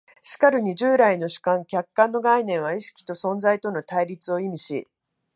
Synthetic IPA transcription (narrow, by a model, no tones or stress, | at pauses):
ɕi̥kaɾɯ̟ɲ̟iʑɨːɾaino̞ɕi̥kãŋkʲakːãnːo̞ɡainẽ̞ɰ̃βaiɕi̥kʲi̥t̪o̞sõ̞nd͡zait̪o̞no̞t̪aiɾʲit͡sɨo̞imʲiɕḭ